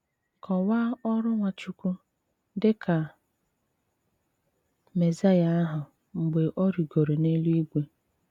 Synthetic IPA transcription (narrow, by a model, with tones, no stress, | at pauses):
kɔ˨wa˦ɔ˦ɾʊ˦ŋʷa˨t͡ʃu˨kʷu˦ | dɪ˦kʰa˨ | me˨za˦ja˦a˦ɦʊ˨ | ŋ͡m̩˨ɡ͡be˨ʔɔ˦ɾi˨ɡo˨ɾe˨ne˦lu˦i˦ɡʷe˦